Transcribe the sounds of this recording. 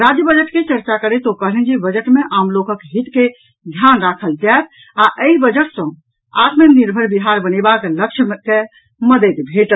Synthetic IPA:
ɾad͡ʒjəbəd͡ʒəʈket͡ʃəɾt͡ʃakəɾet̪okəɦlɛnd͡ʒebəd͡ʒəʈmeʔamlokəkɦit̪ke | d̪ʱjanɾakʰəld͡ʒat̪̚ʰ | aʔəibəd͡ʒəʈsə̃ | a̰t̪meniɾbʱəɾbiɦaɾbənebakeləkʃʰmke | məd̪ət̪bʱeʈə

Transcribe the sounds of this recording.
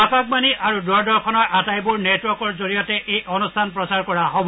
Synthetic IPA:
akak̚maniʔaɹudɔɹdɔɹkʰɔnɔɹʔatajbuɹnetwɔɹkɔɹzoɹijɔtɛʔejʔɔnustʰanpɹɔsaɹkɔɹaɦobɔ

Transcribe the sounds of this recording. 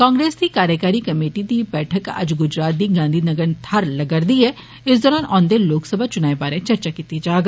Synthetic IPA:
kãːŋɡɾeːsd̪ikaːɾjəkaːɾikɐmeːʈid̪ibɛːʈʰəkɐ̰d͡ʒɡʊd͡ʒɾaːt̪̚d̪iɡãːnd̪ʱinɐɡəɾnt̪ʰɐɾlɐɡəɾd̪iɦɛ | ɪsd̪ɔːɾaːnɔ̃ːnd̪eloːksəbʱat͡ʃʊnaːebaːɾẽt͡ʃɐɾt͡ʃakiːt̪id͡ʒaːɡ

